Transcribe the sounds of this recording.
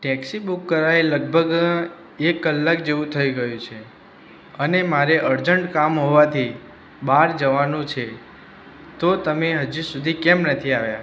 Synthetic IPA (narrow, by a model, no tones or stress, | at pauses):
ʈɛksibukːəɾajləɡ̚bʱəɡ | ekːəlːakd͡ʒeʋũt̪ʰəiɡəjũt͡ʃʰe | ənemaɾeʔəɾd͡ʒəɳʈkamɦoʋat̪ʰi | baɾd͡ʒəʋanũt͡ʃʰe | t̪ot̪əmeɦəd͡ʒusud̪ʱikɛmnət̪ʰiaʋja